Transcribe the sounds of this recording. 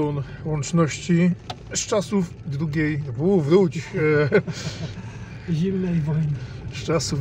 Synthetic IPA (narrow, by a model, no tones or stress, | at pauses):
ɔnwɔnt͡ʂnɔɕt͡ɕi | st͡ʂasuf | d̪ɾuɡʲejvuvɾut͡ɕ | ʑimnɛjvɔjn | st͡ʂasu